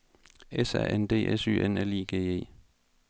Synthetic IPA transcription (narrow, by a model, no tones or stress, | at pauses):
esæ̰ʔend̥e̝̰ːʔesy̰ːʔenelḭːɡ̥e̝̰ːe̝̰ː